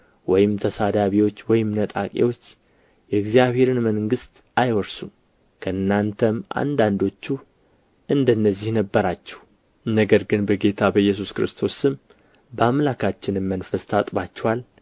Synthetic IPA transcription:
wɔjɪmt̪ʰəsad̪aβiwo̞t͡ʃːwɔjɪmnət̪ʼa̰kʼḛwo̞t͡ʃː | jɛɡzijaβhe̞ɾɨnməŋŋɡɨst̪ | ajwɔɾsum | kʰəɨnːant̪ʰəmʔa̰nd̪and̪o̞t͡ʃːu | ʔɨnd̪ənːəzːihnəbːəɾat͡ʃːɛh | nəɡəɾɡɨnbəɡe̞t̪ʰabəjːɛs̬uskɨɾɨst̪ʰo̞sɨm | bəamlakʰat͡ʃːɪnɨmːənfəst̪ʰat̪ʼbat͡ʃːɛwal

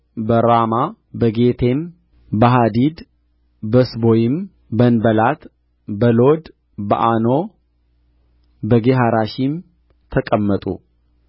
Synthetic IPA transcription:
bəɾama | bəɡet̪ʰe̞m | bəɦad̪id̪ | bəsbojɪm | bənbəlat̪ | bəlod̪ | bə̰ʔano̞ | bəɡeɦaɾaʃim | t̪ʰəkʼəmːət̪ʼṵ

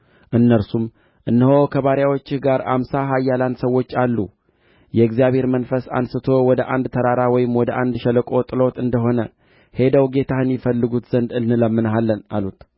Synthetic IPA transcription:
ʔɨnːəɾsum | ʔɨnːəho̞kʰəβaɾjawo̞t͡ʃːɪhɡaɾa̰msaɦajːaland̪səwːo̞t͡ʃːalːu | jɛɨɡzijaβhe̞ɾmənfəsa̰nsɨt̪ʰo̞wɔd̪əʔand̪t̪ʰəɾaɾawɔjɪmwɔd̪əʔand̪ʃɛləkʼo̞t̪ʼɨlo̞t̪ɨnd̪əɦo̞nə | he̞d̪əwɡe̞t̪ʰahɨnjɪfəlːɨɡut̪z̥ənd̪ɨlnɨləmːɨnɦalːənalut̪

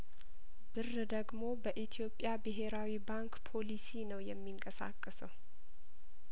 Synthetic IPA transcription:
bɨr | d̪əɡmo̞bəʔit̪ʰijo̞pʼːjabɨɦe̞ɾawibaŋkpʰo̞lisinəwjɛmːiŋkʼəsa̰kʼːəsəw

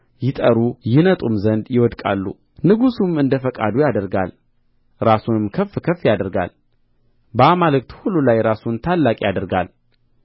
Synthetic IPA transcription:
jɪt̪ʼəɾujɪnət̪ʼumzənd̪jɪwɔd̪kʼa̰lːṵ | nɨɡusumɨnd̪əfəkʼa̰d̪ujad̪əɾɡa̰l | ɾasunɨmkʰəfːkʰəfːijad̪əɾɡa̰l | bəamalɨk̚ʼt̪hululajɾasunt̪ʰalːakʼijad̪əɾɡa̰l

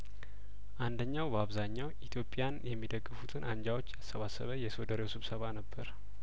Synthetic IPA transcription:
ʔand̪əɲːawbəaβzaɲːawʔit̪ʰjo̞pʼːijanjɛmːid̪əɡːɨfut̪ʰɨnʔaɲd͡ʒawo̞t͡ʃːjasəβasə̰βəjɛso̞d̪əɾewsɨβsəβanəbːəɾ

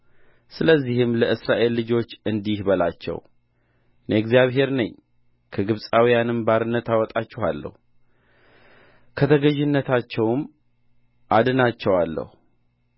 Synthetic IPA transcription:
sɨləzːihɨmləʔɨsɾaʔe̞lːɨd͡ʒo̞t͡ʃːɨnd̪ihbəlat͡ʃːɛ̰w | neɡzijaβɦe̞ɾnəɲː | kʰəɡɨβsʼawijanɨmbaɾɨnːət̪awɔt̪ʼat͡ʃːɛha̰lːə̰hu | kʰət̪ʰəɡəʒɪnːət̪ʰat͡ʃːɛwm | ʔad̪ɨnat͡ʃːɛwalːə̰hu

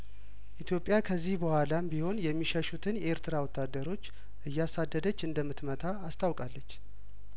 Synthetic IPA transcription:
ʔit̪ʰjo̞pʼjakʰəzːihbəhʷalambiho̞njɛmːiʃəʃut̪ʰɨnje̞ɾt̪ʰɨɾawɔt̪ʰːad̪ːəɾo̞t͡ʃː | ʔɨjːasad̪ːəd̪ət͡ʃːɨnd̪əmːɨt̪mət̪ʰaːst̪ʰʼawkʼalːət͡ʃː

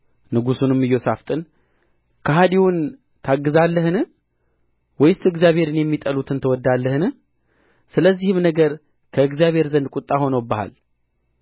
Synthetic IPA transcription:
nɨɡusunɨmːɨjːo̞saft̪ʼɨn | kʰəɦad̪iwun | t̪ʰaɡːɨzalːəhɨnɨ | wɔjɪst̪ɨɡzjaβhe̞ɾɨnjɛmːit̪ʼəlut̪ʰɨnt̪ʰəwɔd̪ːalːəhɨnɨ | sɨləzːihɨmnəɡəɾ | kʰəɨɡzjaβhe̞ɾzənd̪̚kʼut̪ʼːaho̞nəwbəha̰l

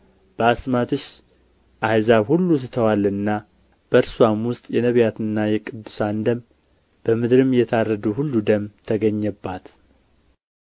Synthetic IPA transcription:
b̥əasmat̪ʰɨʃ | ʔajzaβhulːus̬ɨt̪ʰəwalɨnːa | b̥əɾswamwʊst̪ʼjɛnəβjat̪ɨnːajɛkʼɨd̪ːusand̪əm | b̥əmɨd̪ɾɨmjɛt̪ʰarːəd̪uhulːud̪əmt̪ʰəɡəɲːɛbːat̪

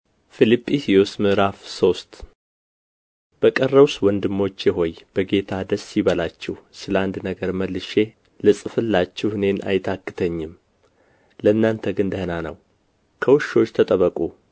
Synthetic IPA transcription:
filipʼːisjɛwsmɨɾafso̞st̪ | b̥əkʼərːəβswɔnd̪ɨmːo̞t͡ʃːjɛɦo̞jb̥əɡe̞t̪ʰad̪əsiβəlat͡ʃːɛhsɨləand̪nəɡəɾməlːɨʃe̞ | lɨsʼɨfɨlːat͡ʃːɛhɨne̞nʔa̰jt̪ʰakːɨ̥t̪ʰəɲːɪm | ləɨnːant̪ʰəɡɨnd̪əhɨnanəw | kʰəwʊʃo̞t͡ʃːt̪ʰət̪ʼəβəkʼu

